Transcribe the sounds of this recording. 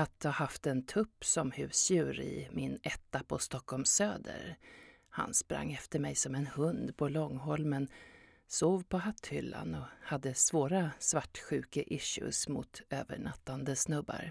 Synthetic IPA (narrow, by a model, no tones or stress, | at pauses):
at̪̚ahaft̪ɛnt̪ʰɵpːsɔmhʉ̟ːsjʉ̟ːɾɪ̰mɪnɛt̪ːapʰɔst̪ɔkʰːɔlmsøːd̪ə̰ɾ | ha̰nspɾa̰ŋːɛft̪əɾmɛjsɔmɛnhɵnd̪pʰɔlɔŋːɦɔlmən | soːvpʰɔhat̪ːhʏlːa̰nɔhad̪ːəsvoːɾasvaʈːɧʉ̟ːkaʔɪʃɵ̰smʊ̰t̪øːvə̰ɳat̪ːand̪əsnɵbːa̰ɾ